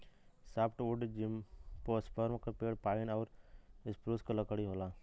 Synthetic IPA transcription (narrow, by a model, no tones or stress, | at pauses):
saːpʰʈoːɖd͡ʒimpospəɾmkəɾpeːɽpaːɪnɔːɾɪspɾuːskaləkɽiɦoːlaː